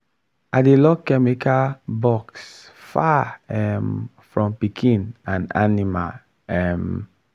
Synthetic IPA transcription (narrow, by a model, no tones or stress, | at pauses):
ʔadelɔkːɛmikabɔksfaɛm | fɹɔ̃mpikʰĩnãna̰nima̰l | ɛm